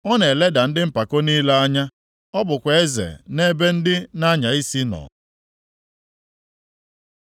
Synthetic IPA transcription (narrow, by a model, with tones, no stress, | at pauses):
ɔ˦ne˨le˦da˨n̩˦dɪ˦m̩˦pa˨ko˦niː˦le˦a˦ɲa˦ | ɔ˦bʊ˨kʷe˨e˦zḛ˨ne˦be˦n̩˦dɪ˦na˦ɲa˨i˦si˦nɔ̰˨